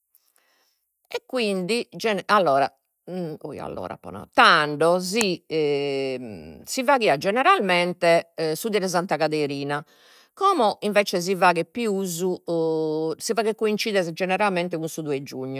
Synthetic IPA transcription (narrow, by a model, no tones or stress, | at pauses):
ɛkːwind̪id͡ʒɛnɛalːɔːɾa̰ | o̰ja̰lːɔ̰ːɾa̰pɔ̰na̰t̪aɳɖɔzi | sivaɣiːad͡ʒɛnɛɾalmɛnt̪ɛsud̪iɾɛzant̪aɣaðeɾiːna | kɔːmɔʔiɱvɛːt͡ʃɛzivaːɣɛpiuːzu | sivaːɣɛkːoint͡ʃiðɛzɛd͡ʒɛnɛɾalmɛnt̪ɛɣunsud̪uɛd͡ʒuɲːu